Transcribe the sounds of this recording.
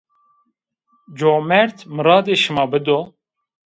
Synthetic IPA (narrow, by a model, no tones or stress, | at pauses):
d͡ʒoːmɛɾt̪ʰmɨɾɑːd̪eːʃɨmɑːbɨd̪o